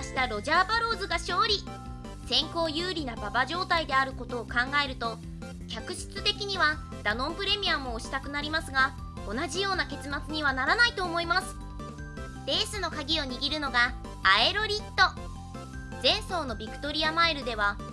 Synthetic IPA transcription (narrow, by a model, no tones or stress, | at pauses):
aɕi̥t̪aɾo̞ʑaːbaɾo̞ːzɨɡaɕo̞ːɾʲi | sẽ̞ŋko̞ːjɯːɾʲinababaʑo̞ːt̪aid̪e̞aɾɯ̟ko̞t̪o̞ːkãŋɡae̞ɾɯ̟t̪o̞ | kʲakɯ̟ɕɨ̥t͡sɨt̪e̞kʲiɲ̟iβa | d̪̥anõ̞mpɯ̟ɾe̞mʲijamo̞ːɕi̥t̪akɯ̟naɾʲimasɨɡa | o̞naʑijo̞ːnake̞t͡sɨmat͡sɨɲ̟iβ̞anaɾanait̪o̞ːmo̞imasɨ̥ | d̥̪e̞ːsɨno̞kaɡʲio̞ɲ̟iɡʲiɾɯ̟no̞ɡaː | e̞ɾo̞ɾʲit̪ːo̞ | zẽ̞ɰ̃so̞ːno̞bʲikɯ̟̥t̪o̞ɾʲiamaeɾɯ̟d̪e̞β̞a